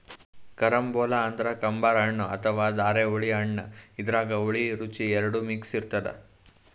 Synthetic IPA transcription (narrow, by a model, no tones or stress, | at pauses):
kɐɾɐmbɔːlaːnd̪ɾɐkɐmbaːɾɦɐɳːɐɐt̪ʰɐʋaːd̪aːɾeoɭiɐɳːɐid̪ɐɾaːɡɐoɭiɾut͡ʃiɛɾɐɽumiksiɾt̪ɐd̪ḛ